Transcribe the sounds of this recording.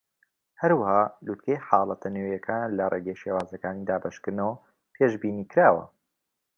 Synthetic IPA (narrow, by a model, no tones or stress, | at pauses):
hɐɾwahaːlut̪̚kʰejħɑːlˠɐt̪ʰɐnejɐkʰaːnlɐreːɡejʃeːwaːzɐkaːnid̪aːbɐʃkɨɾnɐwɐ | pʰeːʒbiːniːkɾaːwɐ̰